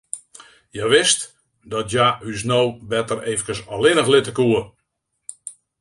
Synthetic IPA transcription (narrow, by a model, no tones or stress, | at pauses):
jɛʋɪst | dɔtjays̬nowbɛtəreːvəkəsɔlɪnəxlɪtəkuə